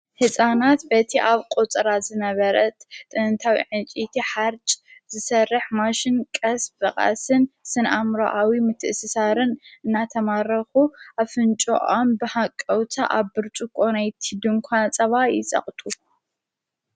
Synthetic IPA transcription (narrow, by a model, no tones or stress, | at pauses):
hɨsʼanat̪bɐt̪ʰiʔaβkʼot͡sʼɾazɨnɐβɐɾɐt̪t̪ʼɨnɨnt̪ʰawḭʕɨnt͡ʃʼit̪ʰiħaɾt͡ʃʼzɨsɐrːɨħmaʃɪnkʼɐsfɨχʼa̰sɨnsɨnʔamɾo̰ʔawimɨt̪ʰːɨʔsɨsaɾɨnɨnːat̪ʰɐmaɾɐxuʔaβfɨnt͡ʃʼo̰ʔombɨħakʼːɐwt̪ʰa̰ʔaβːɨɾt͡ʃʼukʼonajt̪ʰid̪ɨmkʷʰat͡sʼɐβajɪ̰t͡sʼɐ̰χʼt̪ʼʰu